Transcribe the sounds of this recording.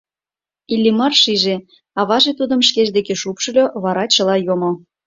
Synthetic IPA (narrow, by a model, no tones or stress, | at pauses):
ilʲːimɑrʃiʒe | ɑβɑʒet̪ud̪ə̆mʃkeʒd̪ekeʃupʃɤ̆lʲoβɑɾɑt͡ɕə̆lɑjomo